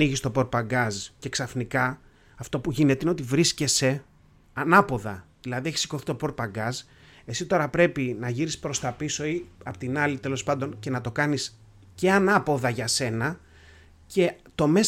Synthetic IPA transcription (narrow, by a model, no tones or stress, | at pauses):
iʝist̪o̞po̞ɾ̚pɐŋɡɐzce̞ksɐfnikɐ | ɐft̪o̞puʝinet̪e̞ineo̞t̪ivɾisce̞se̞ | ɐnɐpo̞ðɐ̰ðilɐðieçi̥si̥ko̞θi̥t̪o̞po̞ɾt̪̚pɐɡɐz | e̞sit̪o̞ɾɐpɾe̞pinɐʝiɾispɾo̞st̪ɐpiso̞iɐpot̪inɐlit̪e̞lo̞spɐnd̪o̞nce̞nɐt̪o̞kɐnis | ce̞anɐpo̞ðɐʝɐse̞nɐ | ce̞t̪o̞me̞